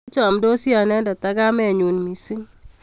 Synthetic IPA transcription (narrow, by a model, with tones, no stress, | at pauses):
t͡ʃɔ˨mdo˦sja˨nɛ˦da˨ta˦ɡa˦mɛ˦˨ɲu˨nmi˨si˦ŋ